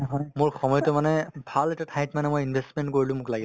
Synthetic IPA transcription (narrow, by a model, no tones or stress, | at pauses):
ɦɔjmʊɹxɔmɔjɔtʊmanɛbʱalɛtatʰajtmanɛmojinbʱestmentkoɹilʊ̃mʊklaɡis